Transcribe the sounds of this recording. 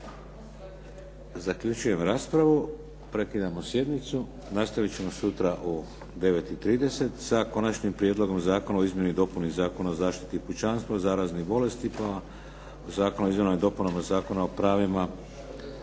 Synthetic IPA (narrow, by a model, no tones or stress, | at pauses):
zakʎut͡ʃuje̞mɾaːspɾaʋu | pɾe̞kid̪amosje̞d̪mit̪su | nast̪aʋit͡ɕe̞mo̞sut̪ɾaʔu | d̪e̞ʋe̞t̪it̪ɾiːd̪e̞se̞t̪sako̞nat͡ʃnimpɾije̞d̪lˠo̞ɡo̞mzaːko̞naoizmje̞nuid̪o̞punizaːko̞naozaːʃt̪i̥t̪iput͡ʃanst̪ʋazaːɾaznibo̞le̞st̪ipa | ozaːko̞noizmje̞nod̪o̞punomazaːko̞naopɾaːʋima